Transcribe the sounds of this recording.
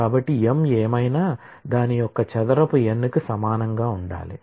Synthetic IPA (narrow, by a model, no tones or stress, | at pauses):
kaːbɐʈːiemeːmɐjnaː | d̪aːnijɔkːɐt͡ʃɐd̪ɐɾɐpuenːukusɐmaːnɐŋɡaːuɳɖa̰ːlḭ